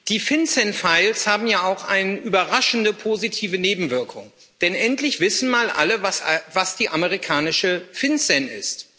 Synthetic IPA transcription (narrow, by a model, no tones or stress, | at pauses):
d̥iːfɪnsɛnfaɪlshaːbm̩jaːaʊxʔaɪnəʔyːbɐʁaʃn̩dəpʰoːzitʰiːvəneːbm̩vɪɐkʰʊŋ | d̥ɛnʔɛntlɪçv̥ɪsn̩maːlʔa̰ləvvasd̥iːʔaməʁikʰaːnɪʃəfɪnsɛnɪ̰st